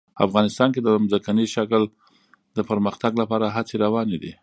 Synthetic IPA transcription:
a̰fɣɑnɪst̪ɑnked̪əmzakaniʃakəl | d̪əpəɾməxt̪aɡlapɑɾaɦat͡seɾawɑned̪i

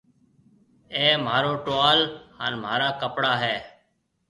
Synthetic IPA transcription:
eːm̤aːɾoːʈoːaːlhaːnm̤ʱaːɾaːkəpɽaːɦɛː

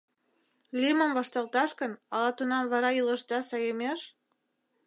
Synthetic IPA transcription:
liməmvɑʃt̪ɑlt̪ɑʃkə̆nɑlɑt̪unɑmβɑɾɑilə̆ʃd̪ɑsɑjəmeʃ

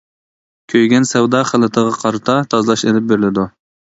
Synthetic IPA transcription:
kʲʰøjɡʲɛnsɛwd̪ɑːχælˠɪt̪ʰəʁɑqʰɑɾɨt̪ʰɑt̪ʰɑzlˠɑʃed̪ɪp̚beɾɪlɪd̪u

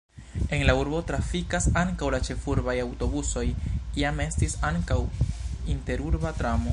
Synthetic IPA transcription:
e̞nlauɾbo̞tɾafikasaŋkawlat͡ʃe̞fuɾbajawto̞buso̞jiame̞stisaŋkawinte̞ɾuɾbatɾamo̞

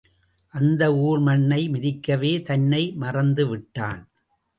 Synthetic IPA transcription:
ʔɐnd̪ɐuːɾmɐɳːɐɪmɪðɪkːɐʋeːt̪ɐnːɐɪmɐrɐnd̪ɯʋɪʈːaːn

